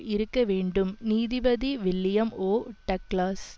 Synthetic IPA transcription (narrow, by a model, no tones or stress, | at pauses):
ʔɪɾɯkːɐʋeːɳɖɯmniːðɪʋɐðiʋɪlːɪjɐmoːʈːɐkɭaːs